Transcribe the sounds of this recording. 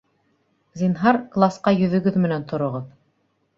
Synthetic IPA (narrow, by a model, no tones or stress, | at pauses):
zʲinɦɑɾklˠasqɑjɵ̆ðɵ̆ɡɵðmɘ̆nænt̪ŏɾŏʁɤð